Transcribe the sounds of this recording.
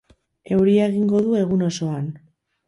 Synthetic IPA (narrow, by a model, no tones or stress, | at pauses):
e̞wɾiaeɣ̞iŋɡo̞ðue̞ɣ̞uno̞so̞an